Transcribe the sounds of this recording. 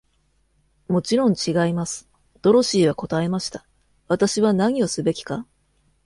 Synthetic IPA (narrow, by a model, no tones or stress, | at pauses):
mo̞t͡ɕiɾõ̞ɲ̟t͡ɕiɡaimasɨ̥ | d̪̥o̞ɾo̞ɕiːβako̞t̪ae̞maɕi̥t̪ḁ | βat̪aɕiβanaɲ̟io̞sɨbe̞kʲi̥ka